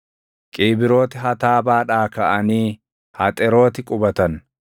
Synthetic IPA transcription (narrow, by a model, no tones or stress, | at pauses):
kʼiːbɪɾo̞ːt̪ɪɦɐt̪aːbaːᶑaːkɐʔɐniː | hɐt̪ʼɛɾo̞ːt̪ɪkʼʊbɐt̪ɐn